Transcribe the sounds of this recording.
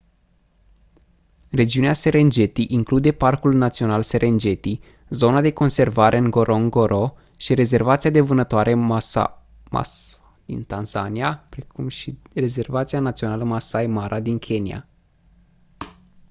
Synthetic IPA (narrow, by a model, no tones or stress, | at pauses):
re̞d͡ʒiunease̞ɾe̞nd͡ʒe̞t̪iʔiŋklud̪e̞parkulnat̪sio̞nalse̞ɾʔe̞nd͡ʒe̞t̪i | zo̞nad̪e̞ko̞nse̞rvaɾʔe̞ɨŋɡo̞ɾʔoŋɡoɾʔo | ʃiɾe̞ze̞rvat̪siad̪e̞vɨnət̪oaɾʔe̞ | a̰ | d̪ḭnt̪anzaniapɾekumʃi | re̞ze̞rvat̪sianat̪sio̞naləmasajmaɾʔad̪iŋkʲʰe̞nija̰